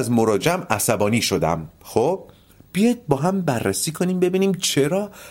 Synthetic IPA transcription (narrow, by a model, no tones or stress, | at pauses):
zmoɾɒːd͡ʒeæmæsæbɒːniːʃod̪æ̰mxob̥̚ː | ijɒjd̪̚bɒːɦæmbærːæsiːkʰo̞niːmbe̞biːniːmt͡ʃʰe̞ɾɒː